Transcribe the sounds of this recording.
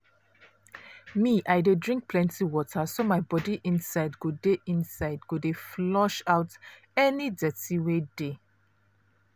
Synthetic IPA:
miʔaɪdedɹĩŋk̚pʰlɛ̃ntʰiwɔtʰəsomaɪbɔdiʔĩnsaɪdɡodeʔĩnsaɪdɡodeflɔʃaʊt | ɛnidɛtiwede

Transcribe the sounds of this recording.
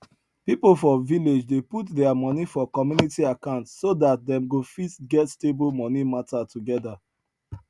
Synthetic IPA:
pipolfɔviled͡ʒdeputdɛamɔnifɔkɔmjunitiakãʊ̃ntssodat̚dɛ̃mɡofisɡɛtstebolmɔnimatatuɡɛda

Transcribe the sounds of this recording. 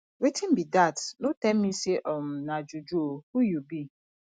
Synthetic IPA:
wetʰĩn̩bidatnotɛmmĩseʔɔm̩nãd͡ʒud͡ʒuohujubi

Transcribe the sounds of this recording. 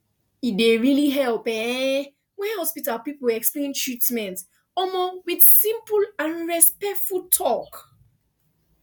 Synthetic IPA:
ideɹiliɦɛlpɛ̃ | wɛ̃hɔspitalpipulɛksplẽntʰɹitmɛ̃nt | ɔlmowið̥sĩmpulãnɹɛspɛk̚tfultʰɔk

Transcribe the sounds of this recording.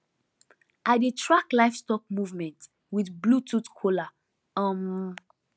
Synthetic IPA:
ʔadetʰɹaklaɪfstɔk̚muvmɛ̃nt | wiθblutʰutkʰola | ɔm

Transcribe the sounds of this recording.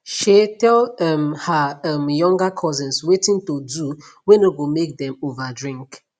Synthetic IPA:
ʃetɛlɛmhaamjɔ̃ŋɡakʰɔzɛ̃nswetĩntodu | wɛ̃noɡomek̚dɛ̃movadɹĩŋk

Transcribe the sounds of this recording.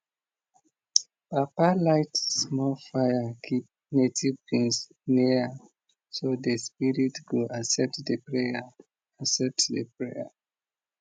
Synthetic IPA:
papalaɪtsmɔlfajakʰip̚ | netʰivbĩŋs | niɹa | sodəspiɹitɡoʔasɛp̚tdəpɹea | asɛp̚tdəpɹeja̰

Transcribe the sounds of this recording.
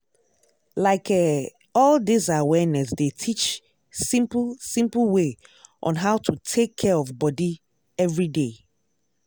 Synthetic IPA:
laɪkʰɛ | ɔldisawɛnɛsdetʰit͡ʃ | sĩmpl̩sĩmpl̩weʔɔ̰̃nɦaʊtʰutʰekʰːɛɹɔvbɔdi | ɛvɹide

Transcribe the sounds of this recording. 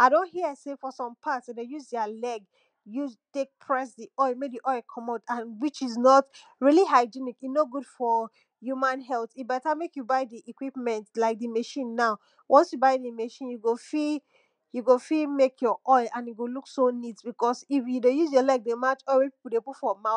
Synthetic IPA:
aɪɾõnthiəsefɔsɔ̃mpʰatsdejuzdɛalɛɡ | jutek̚pʰɹasdiɔɪmek̚diʔɔɪkʰɔ̃maʊtãnwit͡ʃiznɔtɹiliɦaɪd͡ʒinikinoɡud̥fɔ | jumãnɦɛlˠθibɛtamekjubaɪdiʔikwipmɛ̃ntlaɪk̚dimeʃĩnːaʊ | wʔɔ̃nsjubaɪdimeʃĩnjuɡofi | juɡofimekʰjɔʔɔɪãnjuɡoluksonitbikɔsifjudejuzjɔlɛɡ̚demat͡ʃɔɪwɛpi̥pl̩ˠdeputfɔma

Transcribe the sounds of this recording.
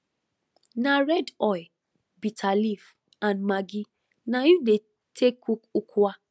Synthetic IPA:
nãɾɛdɔj | bitʰalif | ãnmaɡi | nãjude | tʰekukukʰua

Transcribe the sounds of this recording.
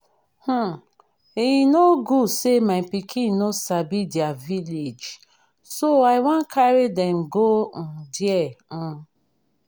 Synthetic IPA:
h̩ | ejinoɡusemaɪpikʰĩnːosabidiaviled͡ʒ | soaɪwɔ̃nkʰaɾedɛmɡon̩djɛ

